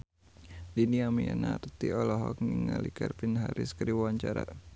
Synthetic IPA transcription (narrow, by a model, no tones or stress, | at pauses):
diniamianaɾt̪iɔlɔɦɔk̚niŋalikarpinɦaɾʔɪskəɾiwawaɲt͡ʃaɾa